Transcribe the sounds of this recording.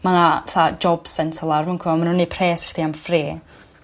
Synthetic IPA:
manaθad͡ʒɔb̥sɛntʰɔlˠarmankʰwɛɔmanunːipʰreːstiamfriː

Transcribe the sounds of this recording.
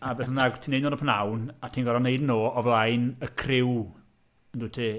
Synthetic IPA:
abɛθənaɡtʰiːnejdnoːnəpʰənawnatʰiːnɡɔɾɔneɨdnoːɔvlˠajnəkʰrɪw | ənduːtʰi

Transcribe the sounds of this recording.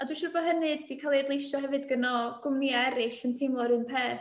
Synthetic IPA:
adwinʃʊrbɔɦənɨdikʰalˠeːdlˠejʃɔhɛvɨdɡənɔɡ̥ʊmniɛɾɪɬəntʰɪŋlˠɔɾɨːnpʰeːθ

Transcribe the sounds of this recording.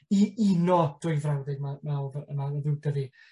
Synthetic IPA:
iinɔd̥ʊjvrawdɪɡmamavəmaəðɪwdəvi

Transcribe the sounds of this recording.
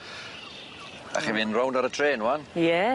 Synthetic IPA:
a̰χivinrawndaɾətʰr̥eːnwanjɛ

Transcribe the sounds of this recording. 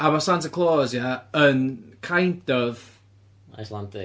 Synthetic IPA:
amasantəkʰlˠoːzjaənkʰajnd̥ɔð | a̰jslˠantʰɪ

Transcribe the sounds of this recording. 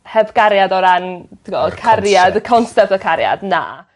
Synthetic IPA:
hɛvɡaɾjadɔɾantiŋɡɔkʰarjadəkʰɔnsɛp̚tɔkʰaɾja̰dna̰

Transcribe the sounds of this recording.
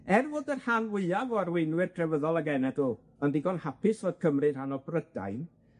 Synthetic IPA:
ɛrvoːdərhanwɪɨavɔarwɪjnwɨrtʰrɛvəðɔlˠaɡɛnɛduː | əndɪɡɔnhapɪsvoːd̥̚kʰəmrɨnhanɔbrəda̰jn

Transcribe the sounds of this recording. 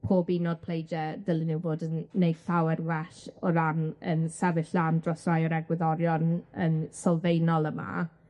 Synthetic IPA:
pʰoːbinɔd̚pʰl̥ˠejd͡ʒɛdɪlˠɪnuwvoːdənːejfawɛrwɛʃɔɾanənsɛvɪɬlandrɔsajɔɾɛɡwɪðɔɾjɔnənsɔlˠvejnɔlˠəma̰

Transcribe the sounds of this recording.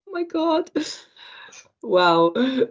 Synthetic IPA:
maɪɡɔd̥ | waʊ

